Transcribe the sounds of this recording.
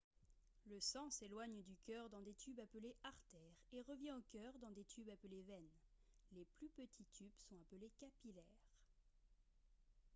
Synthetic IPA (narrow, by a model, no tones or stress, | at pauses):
ləsɑ̃selwaɲd̪ykʲœʁd̪ɑ̃d̪et̪ʰybapəleʔaʁt̪ɛʁeʁəvjɛ̃okʲœʁd̪ɑ̃d̪et̪ʰybapəlevɛnleplypət̪ʰit̪ʰybsɔ̃apəlekapilɛʁ